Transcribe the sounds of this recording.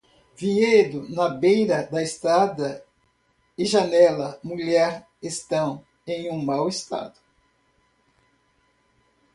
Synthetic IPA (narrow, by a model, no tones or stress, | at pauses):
vied̪ʊnɐbejɾɐd̪ɐest̪ɾad̪ɐ | ɪʒɐnɛlɐmuʎɛɾ | est̪ɐ̃w̃ | ẽj̃ũmawest̪a̰d̪ʊ̥